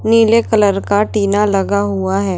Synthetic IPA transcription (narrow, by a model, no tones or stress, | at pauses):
niːlekələɾkaʈiːnalɐɡaɦʊaɦɛː